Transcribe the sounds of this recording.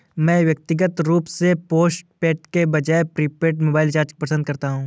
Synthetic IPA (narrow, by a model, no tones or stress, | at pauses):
mɛ̃ːʋjɐk̚t̪ɪɡət̪ɾuːpsepoːsʈ̚peːʈ̚kebɐd͡ʒaːepɾiːpeːʈmoːbaːɪlt͡ʃaːɾd͡ʒk̚pəsə̃nd̪̚kɐɾt̪aɦũː